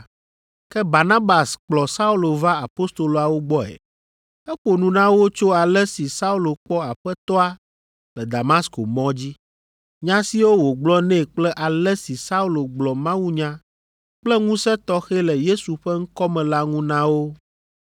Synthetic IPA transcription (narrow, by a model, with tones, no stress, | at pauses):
kɛ˦ba˨na˦ba˨sk͡plɔ˨sa˦u˦lo˨va˦a˨po˦st̪o˨lo˨a˨wo˦ɡ͡bɔ˦ɛ̰˨ | ɛ˦k͡po˨nũ˨nã˦wo˦t͡ʃo˦a˨lɛ˦si˨sa˦u˦lo˨k͡pɔ˦a˨ɸɛ˦t̪ɔ˦a˨ | lɛ˨d̪a˨mã˦sko˨mɔ̃˦d͡ʑi˦ | ɲã˦si˦wo˦wo˨ɡ͡blɔ˦nɛ̃˦k͡plɛ˦ʔa˨lɛ˦si˨sa˦u˦lo˨ɡ͡blɔ˨mã˦wu˦ɲã˦ | k͡plɛ˦ŋũ˦sɛ˦t̪ɔ˦xɛ˦lɛ˨je˦su˨ɸɛ˦ŋ̩˦kɔ˦mɛ̃˨la˦ŋũ˦nã˦wo˦